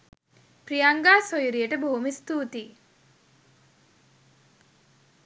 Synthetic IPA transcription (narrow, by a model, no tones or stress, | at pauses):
pɾijaŋɡaːsojuɾijəʈəboɦumist̪uːt̪i